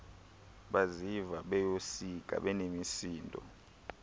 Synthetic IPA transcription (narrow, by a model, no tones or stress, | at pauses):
ɓazivaɓɛjosik̬ʼa̰ɓɛnemisiːndʱʼɔ̰